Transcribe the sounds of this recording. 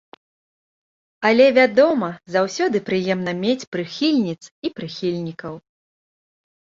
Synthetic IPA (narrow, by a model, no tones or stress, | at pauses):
ɐlʲɛvʲad̪ɔmɐzawsʲɔd̪ɨpɾɨjɛmn̪ɐmʲet͡sʲpɾɨxʲilʲnʲit̪sipɾɨxʲilʲnʲikɐw